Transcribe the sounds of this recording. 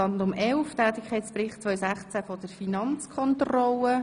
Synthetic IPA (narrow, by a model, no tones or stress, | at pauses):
ɑnndʊmɛlftæːt̪ɪkχɛɪtsprɪχtt͡sʋœʏsæχt͡sæfɔd̥əɾfinɑnt͡skʰɔntrɔlə